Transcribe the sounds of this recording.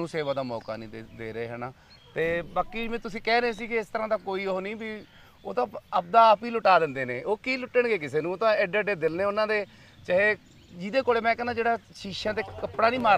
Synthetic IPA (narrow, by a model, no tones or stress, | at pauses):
ũːseːʋãːd̪aːmɔːka̰ːnĩːd̪eːɾeːɦɛːnaː | t̪eːbaːkiːd͡ʒmɛ̃ːt̪ʊsĩːkɛːɾeːs̬iːkɪɪst̪əɾãːd̪aːkoːiːooːnĩːbi | oːt̪ãːəp̚d̪aːpiːlʊʈaːd̪ɪ̃nd̪eːneːʔoːkiːlʊʈːəɳɡeːkɪseːnũːoːt̪ãːɛɖeɖeːd̪ɪlneːʊnãːd̪eː | t͡ʃəːeː | d͡ʒɪd̪eːkoːɽeːmɛ̃ːkɛːnaːd͡ʒeːɽaːʃiːʃãːt̪eːkəpɽaːniːmaːɾ